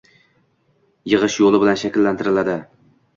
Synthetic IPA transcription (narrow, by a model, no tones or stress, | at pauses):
jɨʁɨʃjolˠɪbɪlanʃakʲɪlːant̪ʰɪɾɪlad̪ɪ